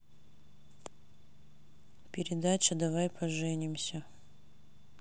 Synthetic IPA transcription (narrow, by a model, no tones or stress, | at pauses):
pʲɪɾʲɪd̪at͡ɕɪd̪ɐvajpʰɐʐɛnʲɪmsʲə